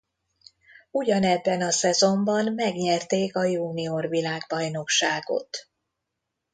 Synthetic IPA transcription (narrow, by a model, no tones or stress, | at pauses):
uɟɒnɛbːɛnɒsɛzo̞mbɒnmɛɡɲɛrt̪eːkɒjuːniorvilaːɡbɒjno̞kʃaːɡo̞̰t̪